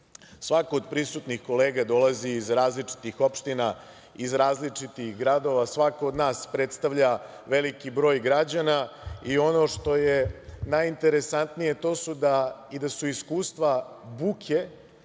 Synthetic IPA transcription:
sʋakoːd̪̚pɾisut̪nixko̞leːɡad̪o̞laziːzɾaːzlit͡ʂi̥t̪ixo̞pʃt̪ina | izɾaːzlit͡ʂit̪ixɡɾad̪o̞ʋasʋakood̪naːspɾe̞t̪st̪aʋʎa | ʋe̞likibɾo̞ːjɡɾad͡ʑanaio̞no̞ʂt̪o̞jenajint̪e̞ɾe̞sant̪nijet̪o̞ːsud̪aid̪asuiskuːst̪ʋa | bukʰe̞

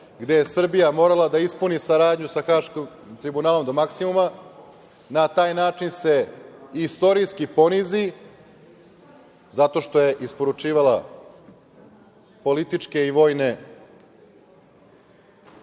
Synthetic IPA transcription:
ɡd̪e̞je̞sr̩bijamo̞ːɾalad̪aispunisaɾaːd̪ɲusaxaːʃkim | t̪ɾibunaːlo̞md̪o̞maksimuma | nat̪aːjnaːt͡ʃinse̞ist̪oɾijskipo̞nizi | zat̪o̞ʃt̪o̞je̞ʔispo̞ɾut͡ʃiːʋalˠa | po̞lit̪it͡ʂke̞iʋo̞ːjne̞

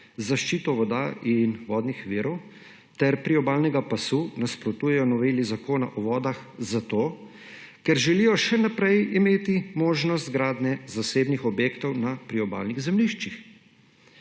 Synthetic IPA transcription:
zaʃt͡ʃiːt̪ɔʋɔd̪aʔinʋɔːd̪nixʋiːɾɔw | t̪ɛɾpɾiɔbaːlnɛɡapasunaspɾɔt̪uːjɛjɔnɔʋeːlizakoːna̰ʔɔʋɔːd̪axzat̪oː | kɛɾʒɛlijɔʃɛnapɾɛjimeːt̪imoːʒnɔst̪ɡɾaːd̪nɛzaseːbnixɔbjeːkt̪ɔwnapɾiɔba̰ːlniɣzɛmliʃt͡ʃix

